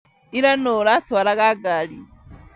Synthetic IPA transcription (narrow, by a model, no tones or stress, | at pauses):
iɾanoɾatwaɾaɣaɡali